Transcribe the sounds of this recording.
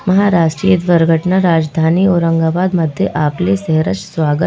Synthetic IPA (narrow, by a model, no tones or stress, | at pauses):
məɦaɾaːʂʈɾijed̪ʋəɾɡʱəʈnaɾaːd͡ʒd̪ʱaːniːoːɾəŋɡaːbaːd̪məd̪ʱːjeʔaplesɛɦɾət͡ʃsʋaːɡə